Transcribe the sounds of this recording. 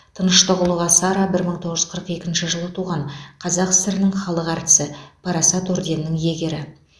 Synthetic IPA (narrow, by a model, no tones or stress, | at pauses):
t̪ʰənəʃt̪əʁəlˠuʁɑsɑɾɑbɪɾməɴt̪ʰo̞ʁəʒʏ̥zqʰəɾəqe̞kʲɪnʃɪʒəlˠət̪ʰuʁɑɴqʰɑzɑqɪ̥sɪɾɪnɪŋχɑlˠəqɑɾt̪ɪ̥sɪpʰɑɾɑsɑt̪oɾd̪e̞nːɪŋje̞ɡʲe̞ɾɪ